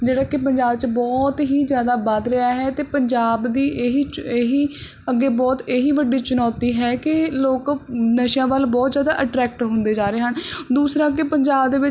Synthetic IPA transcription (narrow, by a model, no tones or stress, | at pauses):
d͡ʒeːɽaːkɪpəɲd͡ʒaːbt͡ʃəbɔːt̪ɦiːzjaːd̪aːbəd̪ɾɪaːɦɛːt̪eːpəɲd͡ʒaːbd̪iːʔɦiːt͡ʃeːɦiː | əɡːeːbɔːt̪eːɦiːʋəɖːiːt͡ʃʊnɔːt̪iːɦɛːkɪloːknəʃjãːʋəlbɔːt̪zjaːd̪a̰ːʔəʈɾɛːk̚ʈɦʊ̃nd̪eːd͡ʒaːɾeːɦənd̪uːsɾãːkɪpəɲd͡ʒaːbd̪eːʋɪt͡ʃ